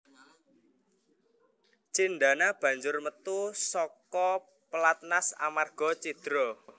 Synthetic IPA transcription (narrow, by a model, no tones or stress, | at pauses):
t͡ʃinɖa̤nab̥ä̤ɲd͡ʒʊrmət̪usɔkɔ | pəlat̪̚nasa̰marɡ̥ɔ̤t͡ʃid̪̥ɾɔ